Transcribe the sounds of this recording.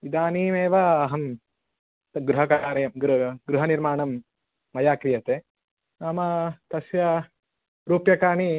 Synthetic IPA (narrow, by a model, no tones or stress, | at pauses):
id̪aːniːmeːʋɐːɦɐm | ɡɾuɦɐkaːɾɐjɐmɡɾɡɾuɦɐniɾmaːɳɐmː | ɐjaːkɾijɐt̪eː | aːmɐt̪ɐsjɐ | ɾuːpjɐkaːni